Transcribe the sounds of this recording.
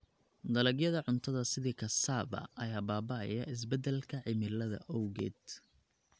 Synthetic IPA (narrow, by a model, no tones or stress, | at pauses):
d̪ɐlɛɡjɐðɐʕʊnt̪ʰɐðɐsɪðiːkʰɐsaːbɐ̰ɐjaːbaːbɐɐ̰jɐʔɪs̬bɛd̪ɛlkʰɐʕɪmɪlɐðɐ̰ʔɔwɣɛ̰ːd̪̥